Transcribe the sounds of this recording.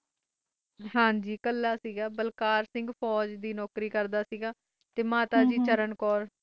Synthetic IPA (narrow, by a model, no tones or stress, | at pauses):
ɦãːd͡ʒiːkəlːaːsiːɡaːbəlkaːɾsɪ̃ŋɡpʰɔːd͡ʒd̪iːnɔːkɾiːkəɾd̪aːsiːɡaː | t̪eːmaːt̪aːd͡ʒiːt͡ʃəɾənkɔːɾ